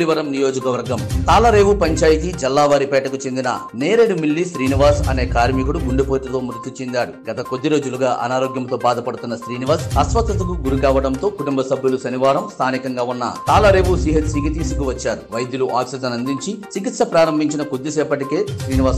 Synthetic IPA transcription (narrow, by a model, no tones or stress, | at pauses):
ɽiʋɐɾɐmnijo̞ːd͡ʒɐkɐʋɐɾɡɐmt̪aːlɐɾe̞ːʋupɐɲt͡ʃaːjit̪id͡ʒɛlːaːʋaːɾipɛːʈɐkut͡ʃe̞nd̪inɐ̰ | neːɾeɽumilːiʃɾiːniʋaːsɐ̰ne̞ːkaːɾmikuɽuɡuɳɖupoːʈɐt̪oːmɾut̪jit͡ʃend̪aːɽuɡɐt̪ɐkod̪ːiɾo̞ːd͡ʒuluɡaːʔɐ̰naːɾo̞ːɡjɐmt̪o̞ːbaːd̪ɐpɐɽut̪unːɐʃɾiːniʋaːɾsɐsʋɐt̪ɾɐt̪ɐkuɡuɾukaːʋɐɽɐnt̪o̞ːkuʈumbɐsɐbʱjulusɐniʋaːɾɐmst̪ʰaːnikɐŋɡaːunːɐ̰t̪aːlɐɾe̞ːʋusiːɦɐt̪siːɡit̪iːsukuʋɐt͡ʃːaːɾuʋɐjd̪juluʔaːksid͡ʒɐnɐnd̪iɲt͡ʃit͡ʃikit̪sɐpɾaːɾɐmbʱiɲt͡ʃinɐkod̪ːisɛːpɐʈikeːsɾiːniʋaːs